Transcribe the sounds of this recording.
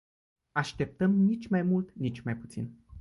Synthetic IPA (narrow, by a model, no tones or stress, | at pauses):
aʃt̪e̞p̚t̪əmnit͡ʃʲmajmult̪nit͡ʃʲmajput̪sḭn